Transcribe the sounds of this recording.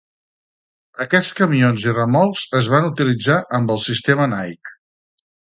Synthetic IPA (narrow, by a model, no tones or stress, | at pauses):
əkɛt͡skəmionzirəmɔlˠzəzβanut̪ilid͡zaʔəmbəlˠsist̪emənajk